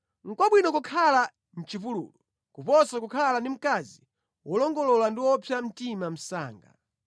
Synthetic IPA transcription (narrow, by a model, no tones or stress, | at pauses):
ŋ̩kwɔɓwinɔkukʰala | n̩t͡ʃipulṵːlu | kupɔsakukʰalandim̩kazi | wɔlɔŋɡɔlɔlandiwɔpʰjam̩timam̩sa̰ːŋɡa̰